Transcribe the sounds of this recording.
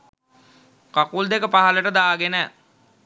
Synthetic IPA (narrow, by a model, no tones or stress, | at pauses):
kakuld̪ekəpaɦələʈəd̪aːɡenə